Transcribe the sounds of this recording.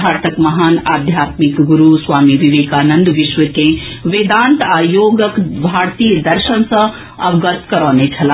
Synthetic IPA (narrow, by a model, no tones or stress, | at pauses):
aːɾt̪əkmɐɦaːnaːd̪ʱjaːt̪mikɡuɾusʋaːmiʋiʋeːkaːnɐnd̪ʋɪʃʋəkẽ | ʋeːd̪aːnt̪aːjoːɡəkbʱaːɾt̪iːjəd̪ɐɾʃənsɐ̃ | ɐbɡət̪kɐɾɔːnet͡ʃʰɐlaː